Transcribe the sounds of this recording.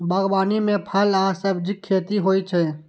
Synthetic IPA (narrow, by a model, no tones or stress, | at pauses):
bɐɣbaːnimẽpʰɐlaːsɐbd͡ʒɪkʰːeːt̪iɦoːit͡ʃʰɛː